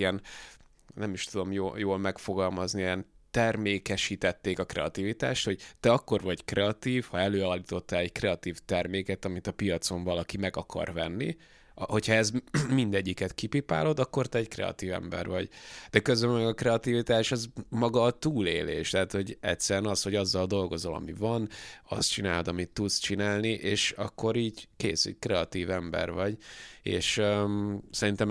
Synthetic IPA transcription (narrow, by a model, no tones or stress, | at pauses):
ɛn | nɛmiʃt̪ud̪o̞mjoːjoːlmɛkfo̞ɡɒlmɒzniijɛnt̪ɛrmeːkɛʃiːt̪ɛt̪ːeːkɒkrɛ̰ɒt̪iːvit̪a̰ːʃt̪ho̞ɟ̥t̪ɛɒkːo̞rvɒɟkrɛɒt̪iːfhɒɛløːaːlːit̪o̞t̪ːɛlɛɟkrɛɒt̪iːft̪ɛrmeːkɛt̪ɒmit̪ɒpijɒt̪so̞ɱvɒlɒkimɛɡɒkʰɒ̰rvɛnːi | ho̞chɒɛzmind̪ɛɟːikɛt̪kipipa̰ːlo̞d̪ɒkːo̞rt̪ɛɛɟkrɛ̰ɒ̰t̪iːvɛ̰mbɛ̰rvɒɟd̪̥ɛkø̞zølmɛɡɒkrɛɒt̪ivit̪aːʃɛzmɒɡɒːt̪uːlḛːlḛːʃt̪ɛɦat̪ho̞ɟɛt̪ʲsɛɾɛnɒsho̞ɟɒzːɒld̪o̞lɡo̞zo̞lɒ̰mivɒnɒ̰st͡ʃinaːld̪ɒmit̪ːut̪st͡ʃinaːlniʔeːʃɒkːo̞ɾiːɟkeːsɛ̰ɟkrɛɒt̪iːvɛmbɛ̰rvɒɟḛːʃ | sɛɾint̪ɛm